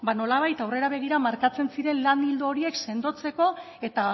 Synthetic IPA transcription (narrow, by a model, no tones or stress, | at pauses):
bano̞laβ̞ajt̪awre̞ɾaβ̞e̞ɣ̞iɾamaɾkat͡se̞nsiɾe̞nlanild̪ooɾie̞kse̞nd̪o̞t͡se̞ko̞ | e̞t̪a